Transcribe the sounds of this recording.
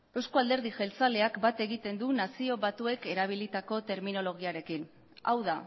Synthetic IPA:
e̞skoald̪e̞ɾð̞iʝe̞lt͡sale̞akbat̪e̞ɣit̪e̞nd̪unasio̞βat̪ue̞ke̞ɾaβ̞ilit̪ako̞t̪e̞ɾmino̞lo̞ɣ̞iaɾe̞kin | a̰wða

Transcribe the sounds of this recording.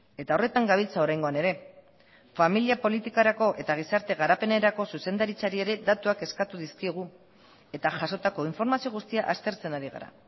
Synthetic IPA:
e̞t̪ao̞re̞t̪aŋɡaβ̞ilt͡sao̞ɾajŋɡo̞ane̞ɾe̞ | familiapo̞lit̪ikaɾako̞ʔe̞t̪aɣ̞isaɾt̪e̞ɣ̞aɾape̞ne̞ɾako̞suse̞nd̪aɾit͡saɾie̞ɾe̞d̪at̪uake̞skat̪uðiskiɣ̞u | e̞t̪aʝaso̞t̪ako̞iɱfo̞ɾmasio̞ɣ̞ust̪iaʔast̪e̞ɾt͡se̞naɾiɣa̰ɾa̰

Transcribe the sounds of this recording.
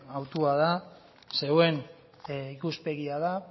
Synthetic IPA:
awt̪uað̞a | se̞we̞n | ikuspe̞ɣiaða

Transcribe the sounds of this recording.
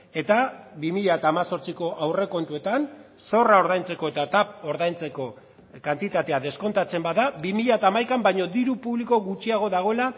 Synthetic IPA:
e̞t̪aβimiʎaet̪aːmaso̞ɾt͡siko̞ʔawre̞ko̞nt̪ue̞t̪anso̞raoɾðajnt͡se̞ko̞e̞t̪at̪ap̚o̞ɾðajnt͡se̞ko̞ | kant̪it̪at̪e̞aðe̞sko̞nt̪at͡se̞mbaðabimiʎaet̪aːmajkambajɲo̞d̪iɾupuβliko̞ɣut͡ʃiaɣ̞o̞ðaɣ̞o̞ela

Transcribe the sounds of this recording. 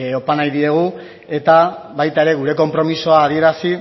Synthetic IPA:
o̞panajðie̞ɣ̞u | e̞t̪aβajt̪ae̞ɾe̞ɣ̞uɾe̞ko̞mpɾo̞miso̞aːðie̞ɾasi

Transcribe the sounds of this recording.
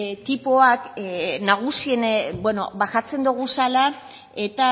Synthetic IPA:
t̪ipoaknaɣ̞usie̞nbwe̞no̞̰baxat͡se̞nd̪uɣ̞usala | e̞t̪a

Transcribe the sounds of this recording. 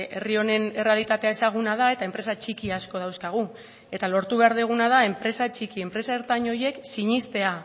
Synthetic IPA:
e̞rio̞ne̞ne̞re̞alit̪at̪e̞ae̞saɣ̞unað̞ae̞t̪ae̞mpɾe̞sat͡ʃikiasko̞ðawskaɣ̞u | e̞t̪alo̞ɾt̪uβ̞e̞aɾð̞eɣ̞unað̞ae̞mpɾe̞sat͡ʃikie̞mpɾe̞saeɾt̪aɲo̞je̞ksiɲist̪e̞a

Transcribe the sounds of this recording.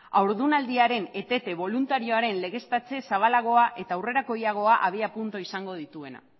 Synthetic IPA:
awɾðunald̪iaɾe̞ne̞t̪e̞t̪e̞βo̞lunt̪aɾio̞aɾe̞nle̞ɣe̞st̪at͡se̞saβ̞alaɣ̞o̞aʔe̞t̪aːwre̞ɾako̞jaɣ̞o̞aʔaβ̞iapunt̪o̞isaŋɡo̞ð̞it̪ue̞na̰

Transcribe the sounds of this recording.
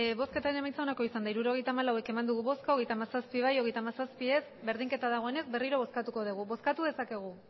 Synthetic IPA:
βo̞ske̞t̪aɾenemajnt͡sao̞nako̞isand̪aiɾuɾo̞ɣ̞e̞jt̪aːmalawe̞ke̞mand̪uɣuβo̞skaoɣe̞jt̪amasaspiβ̞ajo̞ɣ̞ejt̪amasaspie̞sbe̞ɾðiŋke̞t̪aðaɣo̞e̞ne̞zbe̞riɾo̞β̞o̞skat̪uko̞ð̞uɣ̞uβo̞skat̪uðe̞sake̞ɣ̞u

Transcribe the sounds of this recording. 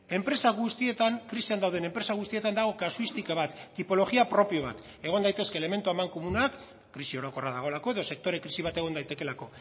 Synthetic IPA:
e̞mpɾe̞saɣust̪ie̞t̪aŋkɾisiand̪awð̞e̞nempɾe̞saɣust̪ie̞t̪and̪aɣ̞o̞kasuist̪ikaβ̞at̪ːipo̞lo̞ɣiapɾo̞pio̞β̞a̰t̪ | e̞ɣ̞o̞nd̪ajt̪e̞ske̞ːle̞me̞nt̪uamaŋko̞munakː | ɾisio̞ɾo̞ko̞raðaɣ̞o̞lako̞e̞ðo̞se̞k̚t̪o̞ɾe̞kɾisiβ̞at̪e̞ɣ̞o̞nd̪ajt̪e̞ke̞lako̞

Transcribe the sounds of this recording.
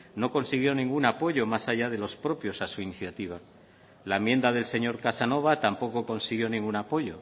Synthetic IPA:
no̞ko̞nsiɣ̞jo̞nĩŋɡunapo̞ʝo̞masaʝaðe̞lo̞spɾo̞pjo̞sasuiniθjat̪iβ̞a | laemje̞nd̪að̞e̞lse̞ɲo̞ɾkasano̞β̞at̪ampo̞ko̞ko̞nsiɣjo̞nĩŋɡunapo̞ʝo̞

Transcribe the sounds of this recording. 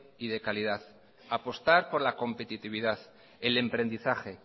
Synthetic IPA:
iðe̞kalið̞að | apo̞st̪aɾpo̞ɾlako̞mpe̞t̪it̪iβ̞iðaθ | ele̞mpɾe̞nd̪iθaxe̞

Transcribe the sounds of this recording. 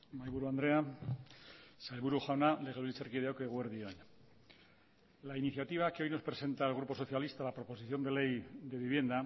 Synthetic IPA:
majβuɾuand̪ɾea | salβuɾuxawnaleɣeluliseɾkiðeokɣweɾðioɲ | lainiθjat̪iβ̞akeo̞jno̞spɾe̞se̞nt̪aelɣ̞ɾupo̞so̞θjalist̪alapɾopo̞siθjo̞nd̪e̞le̞jðe̞βiβ̞je̞nd̪a

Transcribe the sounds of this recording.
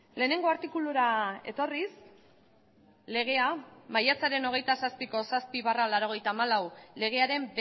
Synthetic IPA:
le̞ːne̞ŋɡo̞aɾt̪ikuluɾae̞̰t̪o̞ris | le̞ɣ̞e̞amajat͡saɾe̞no̞ɣ̞e̞jt̪asaspiko̞saspiβaralaɾo̞ɣ̞e̞jt̪aːmalawle̞ɣ̞e̞aɾe̞mb

